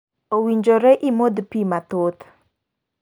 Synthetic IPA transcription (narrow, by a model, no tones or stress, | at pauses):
owiɲd͡ʒoɾɛʔimod̪pimat̪ʊt̪